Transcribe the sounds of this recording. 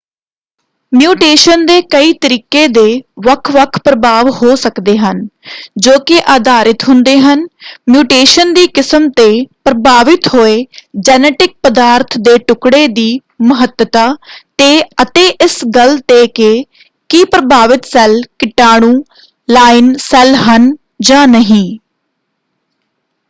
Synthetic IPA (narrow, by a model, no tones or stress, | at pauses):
mjuːʈeːʃənd̪eːkəiːt̪əɾiːkeːd̪eːʋəkʰʋəkʰpɾəbaːʋhoːsəkd̪eːɦənd͡ʒoːkɪʔaːd̪aːɾɪt̪ɦʊnd̪eːɦənmjuːʈeːʃənd̪iːkɪsəmt̪eːpɾəbʱaːʋɪt̪hoːeːd͡ʒɛːnɛːʈɪk̚pəd̪aːɾt̪ʰd̪eːʈʊkɽeːd̪iː | məɦət̪ət̪aːt̪eːət̪eːʔɪsɡəlt̪eːkeː | kiːpɾəbʱaːʋɪt̪sɛlkɪʈaːɽ̃ũː | laːɪnsɛlɦən | d͡ʒãːnəɦĩː